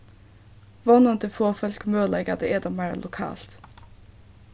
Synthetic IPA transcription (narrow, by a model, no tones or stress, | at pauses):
ʋɔnənt̪əfoːfœlkmøːlɛɡəd̪eːʔɛd̪ɑːmæːlʔʊkʰɑ̰ːlt̪